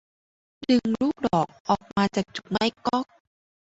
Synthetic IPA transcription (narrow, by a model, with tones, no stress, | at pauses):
dɯ˧ŋɾuː˦˥˩k̚dɔː˨˩k̚ʔɔː˨˩k̚maː˧t͡ɕaː˨˩k̚t͡ɕu̥˨˩k̚ma˦˥˩jkɔ˦˥˩k̚